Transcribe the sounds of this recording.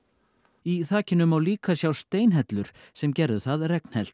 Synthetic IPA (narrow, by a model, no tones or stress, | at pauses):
iθaːcɪnːʏmawliːkasjawst̪eːjnɦɛt̪lʏɾ̥sɛmcɛɾðʏθaðrɛkn̥hɛl̥t̪